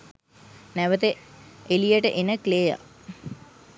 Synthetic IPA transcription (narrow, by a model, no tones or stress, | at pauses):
næʋət̪eelijəʈəʔenəkleːja̰